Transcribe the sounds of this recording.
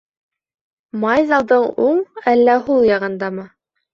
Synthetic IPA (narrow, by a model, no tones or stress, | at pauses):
mɑjzɑlˠd̪ɤɴuɴælːæɦulˠjɑʁɤ̆nd̪ɑmɤ